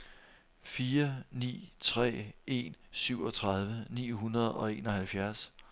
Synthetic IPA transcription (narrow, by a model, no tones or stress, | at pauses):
fiːɐnḭːt͡sʰʁɛ̰ːʔe̝nsyʊ̰ɒ̽t͡sʰʁɑð̞ˠʋənḭːɦunɐð̞̩ˠɒ̽e̝ːnɒ̽hælfjæɐs